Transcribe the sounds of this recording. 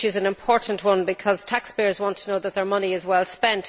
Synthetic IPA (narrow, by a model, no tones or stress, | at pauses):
ɪzə̃nɪ̃mpʰɔɹʔn̩ʔwʌ̃nbɪkʰɒz̥tʰaksb̥ɪɹzwɑ̃ntʰənoʊðət̪̚ðə˞mʌniɪzwɛlˠspɛ̃nt